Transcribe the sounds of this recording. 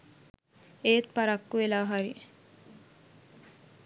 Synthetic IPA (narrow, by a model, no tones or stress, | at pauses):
et̪̚paɾakːuʋelaːɦaɾi